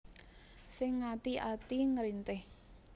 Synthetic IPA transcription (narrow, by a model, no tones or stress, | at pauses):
sɪŋːat̪iʔat̪iŋəɾint̪ɪh